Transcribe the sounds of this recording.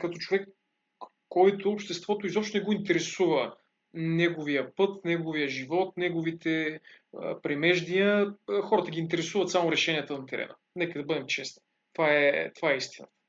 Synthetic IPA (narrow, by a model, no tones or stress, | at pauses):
kɐt̪ɔt͡ʃovɛkː | ɔjt̪oːpʃt̪ɛst̪vɔt̪oizɔpʃt̪onɛɡoint̪ɛɾɛsuvə | nɛɡovijəpɤt̪nɛɡovijəʒivɔt̪nɛɡovit̪ʰɛ̰ | pɾɛmɛʒd̪iəxɔɾət̪əɡʲiːnt̪ɛɾɛsuvɐt̪samoɾɛʃɛnʲijət̪ənɐt̪ɛɾɛ̰nə̰ | nɛkəd̪ɐbɤd̪ɛmt͡ʃɛsni̥ | t̪vaɛt̪ovaɛist̪inə̰t̪ə̥